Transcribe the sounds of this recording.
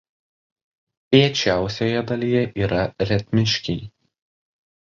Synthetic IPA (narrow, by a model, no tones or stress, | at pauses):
pʲiɛt͡ʃʲæˑʊsʲojɛd̪ɐlʲijɛʔiːɾɐɾʲɛt̪ʲmʲɪʃʲkʲɛɪ